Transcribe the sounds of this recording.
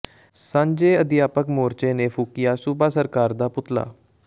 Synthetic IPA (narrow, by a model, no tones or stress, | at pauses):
sãːɲd͡ʒeːəd̪ɪjaːpəkmoːɾt͡ʃeːneːpʰuːkɪjaːsubaːsəɾkaːɾd̪aːpʊt̪la̰ː